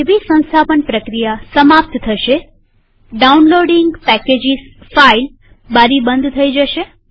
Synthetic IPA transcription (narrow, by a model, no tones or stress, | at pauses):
eʋisə̃ñst̪ʰapənpɾəkɾijasəmap̚t̪t̪ʰəʃe | ɖaunloɖiŋɡpɛked͡ʒis | fail | baɾibənd̪ʱt̪ʰəid͡ʒəʃe